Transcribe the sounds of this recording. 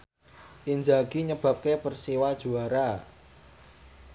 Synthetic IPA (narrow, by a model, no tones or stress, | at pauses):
ʔind͡ʒaɡ̥iɲəb̥a̤p̚kepərsiwad̥ʒ̥ṳaɾa